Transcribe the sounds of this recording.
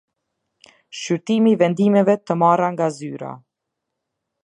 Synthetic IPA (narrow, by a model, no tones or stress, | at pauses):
ʃyɾt̪imivɛnd̪imɛvɛt̪əmaraŋɡazyɾa̰